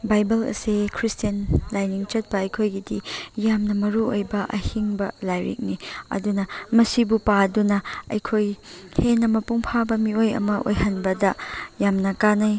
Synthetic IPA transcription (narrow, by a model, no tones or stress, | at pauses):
bajbɐlɐ̰sekʰɾistiɐnlajniŋt͡ʃɐt̚pɐːjkʰojɡidijamnɐmɐɾuojbɐʔɐhiŋbɐlajɾḭk̚niɐ̰dunɐmɐsibupadunɐɐ̰jkʰojhenːɐmɐpuŋpʰabɐmiojɐ̰mɐʔo̰jɦɐnbɐdɐjamnɐkanɐj